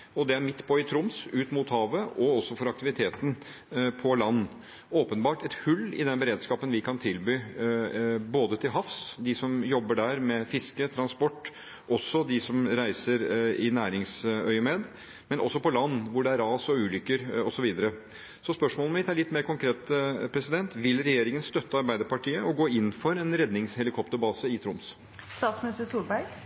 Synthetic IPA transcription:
ɔd̪ɛæɾmɪt̪ːpʰɔɪt̪ʰɾʊmsʉːt̪mʊt̪hɑːʋəɔɔsːɔfɔɾɑk̚t̪ɪʋɪt̪ʰeːt̪n̩ | pʰɔlɑnː | oːpənbɑːʈɛt̪hʉlːɪ̰d̪ɛnbəɾeːd̪skɑːpənʋɪkʰɑnt̪ʰɪlbyː | boːd̪ət̪ʰɪlɦɑfsd̪ɪsɔmjɔbːəɖæɾmɛfɪskət̪ʰɾɑnspɔʈː | ʔɔsːɔd̪ɪsɔmɾæɪsəɾɪnæːɾɪŋsœʏəmeːd̪ | mɛnʔɔ̰sːɔpɔlɑnːʋʊɖɛæɾɑːsɔʉːlʏkːəɾɔsɔʋiːd̪əɾə | sɔspœʂmoːlmɪt̪ːæɭɪt̪ːmeːɾkʊŋkʰɾeːt̪pʰɾɛsɪd̪ɛnt̪ʋɪlɾɛjeːɾɪŋənst̪œt̪ːəɑɾbæɪd̪əɾpɑʈʰiːəʔɔɡoːɪnːfɔɾɛnɾɛd̪nɪŋshɛlɪkʰɔpt̪əɾbɑːsəɪt̪ʰɾʊms | st̪ɑːt̪smɪnɪst̪əsuːlbæɾɡ

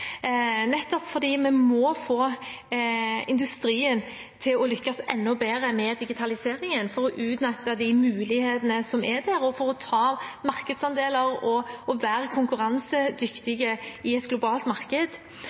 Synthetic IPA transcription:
nɛt̪ːɔpfɔʁd̪iːmɛmɔfoː | ɪ̰nd̪ʉst̪ɾiːən | t̪ʰɪlɔlʏkːɑsɛ̰nːɔbeːɾəmɛd̪ɪɡɪt̪ʰɑlɪseːɾɪŋənfɔɾɔʔʉːt̪nɛt̪ːəd̪æmʉːlɪheːt̪ənəsɔmʔɛd̪æɾɔfɔɾɔt̪ʰɑːmɑɾkəd̪sɑnd̪eːləɾɔɔʋæːɾəkʰʊŋkʉɾɑnsəd̪ʏkt̪ɪɡəɪɛt̪ɡlʊbɑːlt̪mɑʁkəd̪

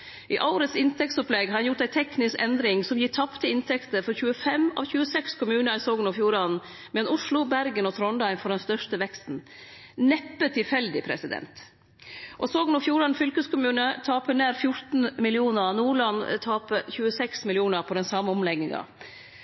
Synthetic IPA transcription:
ʔɪʔɑʊɾət̪sɪnt̪ʰɛk̚t̪sɔplɛɡhɑɾɑnjʊʈ̪æɪt̪ʰɛknɪskɛnd̪ɾɪŋsɔmjɪt̪ʰɑpt̪ʰəɪnt̪ʰɛkt̪əɾfɔɾçʉːəfɛmɑ̰ʋçʉːəsɛkskʰʊmʉːnəɾsoːɡənɑfjuːɾɑn | mɛlɑnʊʂlʊbæɾɡənɔt̪ʰɾɔnd̪ɑɪnfɔɖɛnst̪œʂtəʋɛkst̪n̩ | nɛpːət̪ʰɪlfɛld̪ɪpʰɾɛ̰sɪd̪ɛ̰nt̪ | ʔɔsoːɡənɔfjuːɾɑnfʏlkəskʰʊmʉːnət̪ʰɑːpəneːɾfjʊɾt̪n̩mɪlɪuːnəɾnuːɭɑnt̪ʰɑːpəçʉːəsɛksmɪlɪuːnəɾpʰɔd̪ɛnsɑməɔmlɛɡnɪŋɑ̰

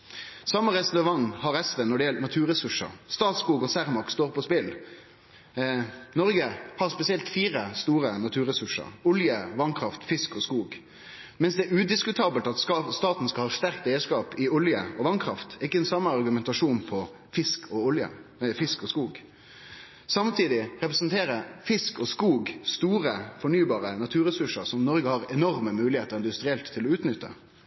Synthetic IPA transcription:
sɑmːəʁɛst̪nɑʋɑnːhɑɾɛsʋɛːnɔɖɛjɛlnɑt̪ʰʉːɾɛsʉʂə̰ɾst̪ɑːt̪skuːɡɔsæʁmɑkst̪oːʁpʰɔspɪl | nɔɾɡəhɑʁspɛsɪɛlt̪fiːɾəst̪uːɾənɑt̪ʰʉːɾɛsʉʂə̰ɾʊljəʋɑnkʰʁɑft̪fɪskɔskuːɡ | mɛnsd̪ɛæɾʉːd̪ɪskʉt̪ʰɑːbəlt̪ɑt̪st̪ɑːt̪n̩skɑlhɑːʂt̪æɾkt̪eːəskɑːpɪʊljəɔʋɑnkʰɾɑft̪ɪkːəɛnsɑmːəɑʁɡʉmɛnt̪ɑʂuːnpʰɔ | fɪskʰɔʊljə̰fɪskɔskuːɡ | sɑmt̪ʰiːd̪ɪʁɛpʁɛsnt̪ʰeːɾəfɪskɔskuːɡst̪uːɾəfɔɳyːbɑːɾənɑt̪ʰʉːɾɛsʉʂəɾsɔmnɔɾɡəhɑʁɛnɔɾməmʉːlɪheːt̪əʁɪnd̪ʉst̪ɾɪɛlt̪ʰːɪlɔʉːt̪nʏt̪ʰːə̰

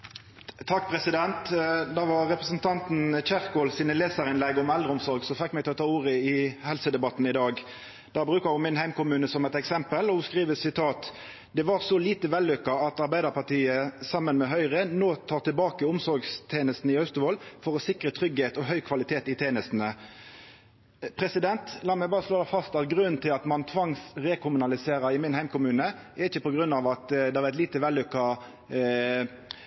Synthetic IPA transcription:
t̪ʰɑkːpʰʁɛsɪd̪ɛnt̪d̪ɑːʋɑʁʁɛpʁəsnt̪ʰɑnt̪n̩t͡ʃæʁkoːlsiːnəleːsəʁɪnlɛɡɔmɛld̪ʁəʊmsɔɾɡsɔfɪkːmɛɡt̪ʰɛɔt̪ʰɑːuːʁəɪhɛlsəd̪ɛbɑt̪ːn̩ɪd̪ɑːɡ | d̪̥ɑːbʁʉːkəʁjʊmɪnhæɪmkʊmʉːnəsɔmɛt̪ɛksɛmpəlɔskʁiːʋəsɪt̪ʰɑːt̪ | d̪ɛʋɑʁsɔliːt̪əʋɛlːʉkːɑɑt̪ɑʁbæɪd̪əʁpɑʁʈ̪iːəsɑmːənmɛɦœʏʁənoːt̪ʰɑːʁt̪ɪlbɑːkəʊmsɔɾɡst̪ʰeːnəst̪n̩ɪœst̪əʋoːlfɔʁɔsɪkʁət̪ʰɾʏɡheːt̪ɔɦœʏkʰʋɑlɪt̪ʰeːt̪ɪt̪ʰeːnəst̪n̩ə | pʰɾɛsɪd̪ɛnt̪lɑːmæɪbɑːʁəsloːd̪æfɑst̪ɑt̪̚ɡʁʉnnt̪ʰɪlɑt̪mɑnt̪ʰʋɑŋsɾɛːkʰʊmʉnɑlɪseːɾəɪmɪnhæɪmkʰʊmʉːnəʔɛɪçːəpɔɡʁʉnːɑʋɑt̪d̪ɛʁɛt̪liːt̪əʋɛlːʏkːɑ

